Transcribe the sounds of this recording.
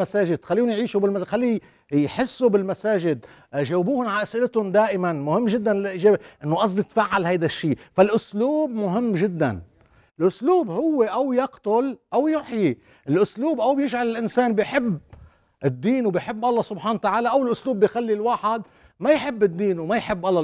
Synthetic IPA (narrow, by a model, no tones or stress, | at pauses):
asaːʒɪd̪xalːiːʊnjʕiːʃubɪlmaxalːi | jħɪsːubɪlmasaːʒɪd̪̚ | ʒaːwbuːhʊnʕaʔasʔɪlɪt̪ʊnd̪aːʔɪmanmʊhɪmːʒɪd̪ːanlɪlʔiːʒeːbeʔɪnːoʔɑs̬ˤd̪it̪faʕːalhajd̪aʃːiːfalʔʊsluːbmʊɦɪmːʒɪd̪ːa̰n | ɪlʔʊsluːbhʊwːeʔawjɑqt̪ʊlʔawjʊħji | ʔɪlʔʊsluːbʔawbjɪʒʕalɪlʔɪnsaːnbɪjħɪbː | ʔɪd̪ːiːnwbɪjħɪbːʔɑlˤːɑsʊbħaːnawt̪aʕaːlaʔawɪlʔʊsluːbːɪjxalːilwaːħɪd̪ | majħɪbːɪd̪ːiːnwmajħɪbːʔɑlˤːɑ